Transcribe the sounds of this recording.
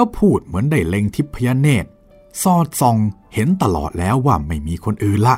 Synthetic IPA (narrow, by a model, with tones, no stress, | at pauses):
aː˦˥wpʰuː˥˩t̪̚mɯ˩˦ənda˧˥˩jle˧ŋt̪ʰi˦˥pʰːa˧jaː˧˥neː˧˩t̪̚ | sɔː˧˩t̪̚sɔ˧ŋhe˨˩˦nt̪a˧˩lɔ̰ː˨˩t̪̚lɛː˦˥wːaː˧˩ma˥˩jmiː˧kʰo˧nʔɯː˨nla˧˥ʔ